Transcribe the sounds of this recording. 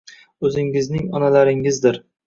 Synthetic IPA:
ɵzɪŋɪznɪŋɒnalaɾɪŋɪzd̪ɪɾ

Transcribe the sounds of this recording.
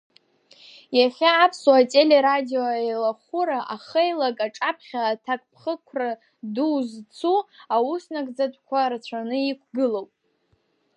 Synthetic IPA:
jaχʲaːpʰswatʼe̞le̞ɾadioelaχuɾaʔaχejlakʼaʈ͡ʂʼapʰχʲaːtʰakʼpʰχəkʷʰra | duwzt͡sʰuausnakʼd͡zatʷʼkʷʰart͡ɕʷʰanɨikʷʰɡɨlowpʼ

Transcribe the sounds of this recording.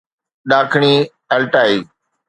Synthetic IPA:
ɗaːkʰɳ̃iː | əlʈaːiː

